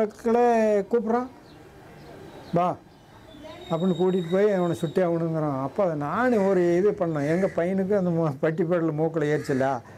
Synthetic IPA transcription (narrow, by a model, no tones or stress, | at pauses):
ɐkːɐlɐkuːp̬ːɪɾãː | baː | ɐpːɐɽɪnːɯkuːʈːɪʈːɯpoːjiʋɐɳɐsʊʈːeʋɐɳɯŋɡɐɾãːɐpːoːɐðɐnaːneɔɾɯɛjðepɐɳːɐːãːɛŋɡɐpɐjɐnɯkːɯɐnd̪ɐmpɐʈːipːɐːɽlmoːkːɐlɐeːɾt͡ʃːɪlːaː